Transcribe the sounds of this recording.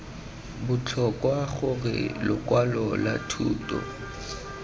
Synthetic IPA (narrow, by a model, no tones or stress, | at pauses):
bʊt͡ɬʰɔkʼwaχʊɣɪ̰lʊkwalɔlatʰuːtʼɔ̰